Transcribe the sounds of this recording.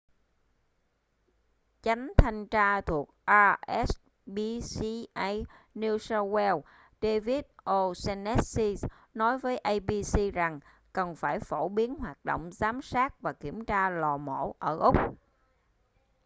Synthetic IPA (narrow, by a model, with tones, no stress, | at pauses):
t͡ɕa˨˦ŋ̟t̪ʰa˧jŋ̟t͡ɕaː˧t̪ʰu˨˩ək̚ʔaː˧ʔɛ˦˥s | ɓi˧si˧ʔa˧jni˧sə˧wɛ˧w | ɗe˧vi˦˥t̚ʔo˧sɛ˧nɛ˦˥t̚si˧ | nɔ˨˦jvəː˨˦jʔə˧jɓi˧si˧za˨˩ŋ | kə˨˩nfaː˧˩jfo˧˩ɓi˨˦ənɦwaː˨˩t̚ɗo̰˧˨wŋ͡mzaː˨˦msaː˦˥k̚vaː˨˩ki˧˩əmt͡ɕaː˧lɔ˨˩mo̰˧˩ʔəː˧˩ʔʊ˦˥k͡p̚